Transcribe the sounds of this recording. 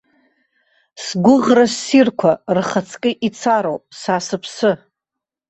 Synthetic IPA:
sɡʷʊʁrasːirkʷʰarχat͡sʰkʲʼɪʔit͡sʰaɾowpʼsasɨpʰsɨ

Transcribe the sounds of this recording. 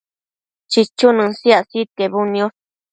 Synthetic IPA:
t͡ʃit͡ʃunɨ̃siasit̪eβunĩõ

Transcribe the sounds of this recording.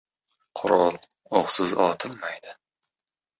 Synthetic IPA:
qʰʊɾɒlˠ | oχsɪzɒt̪ʰɪlmajd̪ɪ

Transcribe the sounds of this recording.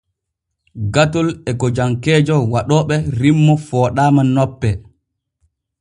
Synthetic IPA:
ɡatɔlɛɡɔd͡ʒaŋkɛːd͡ʒɔwaɗɔːɓɛɾimːɔfɔːɗaːmanɔpːɛ

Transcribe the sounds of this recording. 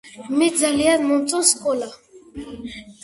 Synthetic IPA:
mɛd͡zaliamɔ̃mt͡sʼɔ̃skʼɔla

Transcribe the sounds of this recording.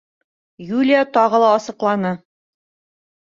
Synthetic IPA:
julʲijat̪ɒʁɤ̆lˠɑːsɤ̆qlˠɑnɤ

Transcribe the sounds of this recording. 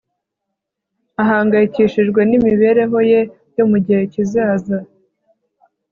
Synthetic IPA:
aɦaːŋɡajiciʃiʒɡwe̞nimiβe̞ɾe̞ɦo̞je̞ | jo̞muɟihe̞cizaːza

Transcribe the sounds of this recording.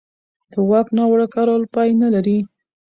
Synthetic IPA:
d̪̥əwɑknɑwaɽakɑɾolpɑjnalaɾi

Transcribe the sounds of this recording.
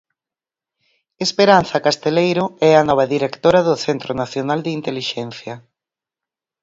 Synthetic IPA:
espeɾan̟θɐkast̪elejɾʊɛɐnɔβ̞ɐðiɾekt̪oɾɐðʊθent̪ɾʊnaθjonald̪eint̪eliʃɛn̟θjɐ

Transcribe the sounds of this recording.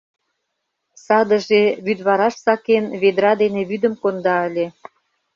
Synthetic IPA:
sɑd̪ə̆ʒeβyd̪βɑɾɑʃsɑkenβed̪ɾɑd̪eneβyd̪ə̆mkond̪ɑə̆lʲe

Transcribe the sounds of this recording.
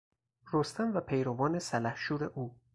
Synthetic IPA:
ɾost̪æmvæpʰejɾovɒːne̞sælæhʃuːɾe̞ʔuː

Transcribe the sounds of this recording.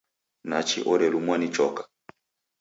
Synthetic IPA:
nat͡ʃḭʔɔɾɛlumwanit͡ʃɔkḁ

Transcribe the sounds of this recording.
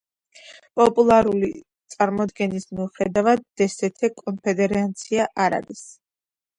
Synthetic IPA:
pʼɔpʼulˠaɾuli | t̪sʼaɾmɔd̪ɡɛnismiuχɛd̪avad̪ːɛsɛt̪ʰɛkʼɔnpʰɛd̪ɛɾant̪sʰiaʔaɾa̰ɾis

